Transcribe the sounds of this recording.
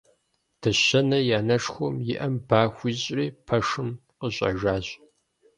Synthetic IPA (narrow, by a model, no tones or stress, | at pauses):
d̥ɐɕɐnɐjaːnɐʂxʷɔmjɪʔɐmbaːxʷiɕʼriːpʰɐʂɨmqəɕʼɐ̰ʒaːʑʼ